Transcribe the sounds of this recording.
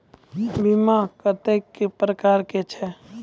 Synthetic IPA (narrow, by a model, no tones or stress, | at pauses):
bimakət̪ekːepɾəkaːɾket͡ʃʰɛ